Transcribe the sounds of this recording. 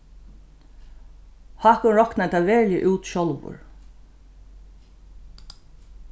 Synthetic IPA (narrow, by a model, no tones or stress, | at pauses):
hɑkʊnɹɔknat̪aʋɛːljə̰ʔuːt̪ʃɔlʋʊ̰ɹ